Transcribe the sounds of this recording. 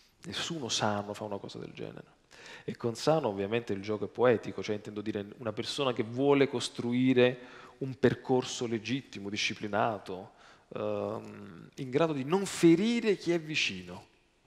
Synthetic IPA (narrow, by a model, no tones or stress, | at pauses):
nesːuːnosanːofaunakɔ̰ːza̰d̪ḛld͡ʒɛ̰ːnḛɾe | ekːonsaːnːoːvːjament̪eild͡ʒɔːkoɛpːoɛːt̪ikot͡ʃoɛint̪ɛnd̪od̪iːɾeunapersoːnak̟evːwɔːlekost̪ɾuiːɾeumperkorsoled͡ʒit̪ːimod̪iʃːiplinaːt̪o | iŋɡɾaːd̪od̪inoɱfeɾiːɾek̟iɛvːit͡ʃiːno